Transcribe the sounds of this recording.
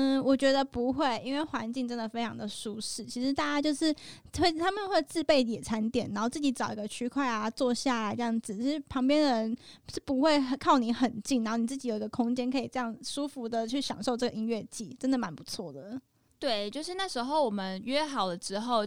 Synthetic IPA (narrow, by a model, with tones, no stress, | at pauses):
wɔ˨˩t͡ɕɥɛ˧˥d̪ə˧pu˧˥xwe˥˩ɪʔi˥nwe˥˩ɪxwa˧˥nt͡ɕi˥˩ŋʈ͡ʂə˥nd̪ə˨˩fe˥ɪʈ͡ʂʰɑ˧˥ŋd̪ə˨ʂu˥ʂɻ̩˥˩t͡ɕʰi˧˥ʂɻ̩˧˥t̪a˥˩t͡ɕja˥t͡ɕjo˥˧ʊʂɻ̩˥˩ | xwe˥˩ɪt̪ʰa˥mə˨nxwe˥˧ɪt͡sɹ̩˥˧pe˥˩ɪjɛ˨˩t͡sʰa˧˥nt̪jɛ˨˩˦n˧˥nxo˥˧ʊt͡sɹ̩˥˩t͡ɕi˧˩˥t͡sɑ˨˩ʊi˧˥ɡə˧t͡ɕʰy˥kʰwa˥˩ɪa˩t͡swɔ˥˧ɕja˥˩˧jɑ˥˩ŋd͡zɹ̩˩t͡ɕʰi˧ʂɻ̩˥˩pʰɑ˧˥ŋpjɛ˥nd̪ə˨˩ɻə˧˦nʂɻ̩˥˩pu˧˥xwe˥˧ɪ˨˩kʰɑ˥˩ʊni˧˥xə˨˩nt͡ɕi˥˩ŋna˧˥nxni˨˩t͡s̩˥˩t͡ɕi˧˥jo˨˩ʊi˧ɡə˧kʰʊ˥ŋt͡ɕjɛ˥nkʰɤ˧˥i˨˩ʈ͡ʂɤ˥˧jɑ˥˩ŋʂu˥fu˧˥d̪ə˨t͡ɕʰy˥˩ɕjɑ̰˨˩ŋʂo˥˧ʊʈ͡ʂɤ˥˩ɡə˨i˥nɥɛ˥˧t͡ɕḭ˥˩ʈ͡ʂə˥nd̪ə˨˩ma˧˥npu˧˦t͡sʰwɔ̰˥˩d̪ə˩ | t̪we˥˩ɪt͡ɕjo˥˧ʊʂɻ̩˥˧na˥˩ʂɻ̩˧˥xo˥˩ʊwɔ˨˩mə˦nɥɛ˥˧xɑ˨˩ʊd̪ə˦ʈ͡ʂɻ̩˧˥xo˥˧ʊ